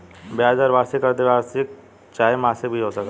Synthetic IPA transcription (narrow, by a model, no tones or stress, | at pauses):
bjaːd͡ʒɔɾʋaːsɪkəɾd̪eʋaːsek̚ | t͡ʃaːemãːsebʱiɦoːsɐk̪